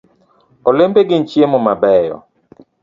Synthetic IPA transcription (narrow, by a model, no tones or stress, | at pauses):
ɔlembeɡɪnt͡ʃjemɔmabɛjɔ̰